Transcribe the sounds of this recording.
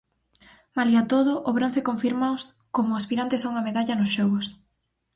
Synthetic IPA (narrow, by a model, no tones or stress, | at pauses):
maliat̪oðʊʔoβɾon̟θekoɱfiɾmaos | komʊaspiɾant̪esauŋɐmeðaʎɐnʊsʃɔɣʊs